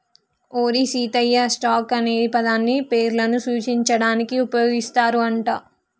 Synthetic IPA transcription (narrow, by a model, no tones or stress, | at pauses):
oːɾisiːt̪ɐjːɐsʈaːkɐneːipɐd̪aːnːipe̞ːɾlɐnusuːt͡ʃiɲt͡ʃɐɽaːnikiupɐjo̞ːɡist̪aːɾuɐɳʈaː